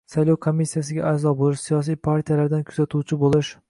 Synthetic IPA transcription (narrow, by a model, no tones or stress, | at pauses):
sajlowkʰomːisːijasɪɡʲa̰azɒbolˠɪʃsijɒs̬ijpʰaɾt̪ʰijalaɾd̪ankʲʰʊz̥at̪ʰuwt͡ʃʰɪbolˠɪʃ